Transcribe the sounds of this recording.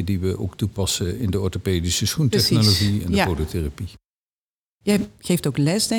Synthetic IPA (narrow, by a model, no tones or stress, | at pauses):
ədiʋəʔo̰wktupɑsəɪndəɔɹtopeːdisəsχuntɛxnoloχiɛ̰ndəpodoterapi | jɛjχejftowklɛsdɛ